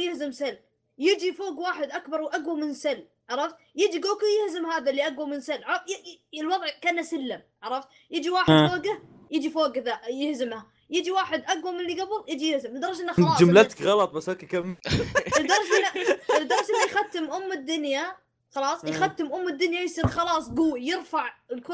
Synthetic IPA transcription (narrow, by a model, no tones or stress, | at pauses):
jɪhzɪmsalː | jɪd͡ʒifoːɡwaːħɪd̪ʔakbɑɾˤwʔaɡwamɪnsalː | ʕɑɾˤɑft̪̚jɪd͡ʒiɡoːkujɪhzɪmhaːðalːiʔaɡwamɪnsalːʕɑɾˤɑjɪlwɑðˤʕkanːasɪlːɪmʕɑɾˤɑft̪̚ | jɪd͡ʒiwaːħd̪foːɡah | jɪd͡ʒifoːɡɪðajɪhzɪmha | jɪd͡ʒiwaːħɪd̪ʔaɡwamɪnliɡabɨlˤjɪd͡ʒijɪhzɪmɪd̪ɑɾˤʃʔɪnːaɑːd͡ʒʊmlat̪kɣɑlɑt̪ˤbashaːkikamɪdd̪ɑɾˤʃɪlːaɪd̪ɑɾˤsɪlːijxat̪ːɪmʔʊmːɪd̪ːʊnja | xɑlɑːsˤjxat̪ːɪmʔʊmːɪd̪ːʊnjajsˤiːɾxɑlɑːsˤɡuːjɪɾfaʕɪlkʊ